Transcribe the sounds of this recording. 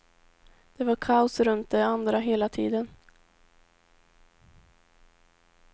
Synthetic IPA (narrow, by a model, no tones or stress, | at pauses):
d̪̥ɛvaɾkʰaʊsɾɵnt̪̚d̪ɛand̪ɾaɦeːlat̪ʰḭːd̪ən